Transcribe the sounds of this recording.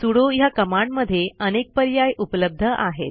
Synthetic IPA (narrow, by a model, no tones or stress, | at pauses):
suɽojakəmaɳɖməd̪ʱjeənek̚pəɾjajʔupləb̚d̪ʱəʔaɦḛt̪